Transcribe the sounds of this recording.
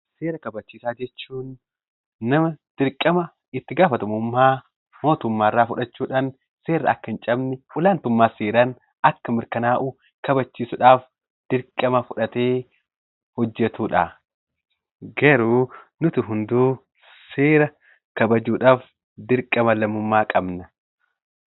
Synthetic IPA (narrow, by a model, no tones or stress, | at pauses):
seːɾɐkɐbɐt͡ʃːiːsaːd͡ʒɛt͡ʃːuːnː | ɐmɐd̪̥ɪɾkʼːɐmɐ | ɪt̪ːɪɡaːfɐt̪ɐmʊmːaː | mo̞ːt̪ʊmːaːrːaːfʊᶑɐt͡ʃːuːᶑɐn | se̞ːrːɐ̰ɐkːɐɪnt͡ʃʼɐbnɪʔʊlaːnt̪ʊmːaːseːɾɐn | ɐkːɐmɪɾkɐnaːʔʊ | kɐbɐt͡ʃːiːsʊᶑaːf | d̪̥ɪɾkʼːɐmɐfʊᶑɐt̪eː | hɔd͡ʒːɛt̪uːᶑa | ɡɐɾuːnʊt̪ɪɦʊnd̪uː | seːɾɐ | kɐbɐd͡ʒuːᶑaːf | d̪ɪɾkʼːɐmɐlɐmʊmːaːkʼɐbnɐ